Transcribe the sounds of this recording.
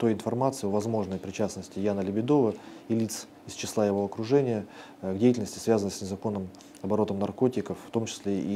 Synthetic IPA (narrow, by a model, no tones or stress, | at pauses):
t̪o̞jɪnfɐrmat̪sɨɪovɐzmo̞ʐnəjpɾʲɪt͡ɕasnəsʲtʲɪjanəlʲɪbʲɪd̪o̞vəilʲit̪s | ɪst͡ɕɪslˠajɪvo̞ɐkɾʊʐɛnʲɪjə | ɡdʲejɪtʲɪlʲnəsʲtʲɪ̥svʲazənəsʲnʲɪzɐko̞nːɨm | ɐbɐɾo̞t̪əmnɐrko̞tʲɪkəfft̪o̞mt͡ɕɪ̥sʲlʲeʔi